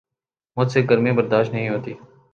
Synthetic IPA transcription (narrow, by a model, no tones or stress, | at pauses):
mʊd͡ʒ̪seːɡəɾmẽːbəɾd̪aːʃtʈnəɦĩːɦoːt̪iː